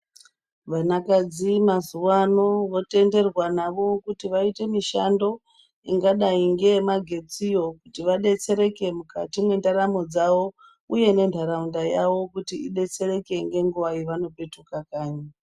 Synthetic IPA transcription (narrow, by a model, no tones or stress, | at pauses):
ʋanakad͡zimazuwano̞ʋo̞te̞nde̞rwanaʋo̞kutiʋaite̞miʃando̞ | iŋɡaɗaiŋɡe̞maɡʱe̞t͡sijo̞kutiʋaɗe̞t͡se̞ɾe̞ke̞mukatimwe̞ndaɾamo̞d͡zaʋo̞ | uje̞ne̞ndʱaɾaundajaʋo̞kutiiɗe̞t͡se̞ɾe̞ke̞ŋɡe̞ŋɡuʋaiʋano̞pe̞tukakaːɲa